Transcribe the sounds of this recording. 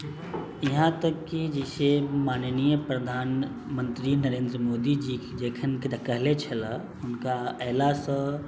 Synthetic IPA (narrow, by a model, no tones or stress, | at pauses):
jiɦãt̪əkːid͡ʒɪsemaːnənijəpɾəd̪ʱaːn | mə̃nt̪ɾinəɾẽːnd̪ɾəmoːd̪id͡ʒid͡ʒeːkʰənkkəɦlet͡ʃʰəla | ʊnkaɛːlasə̃